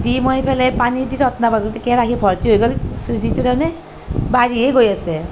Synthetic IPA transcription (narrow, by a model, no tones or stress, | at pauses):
dimɔjpʰɛlajpaniditɔtnabaɡutɛkɛɹakʰibʱɔɹtiɦojɡɔlsuzitudanɛ | baɹiɛɡojasɛ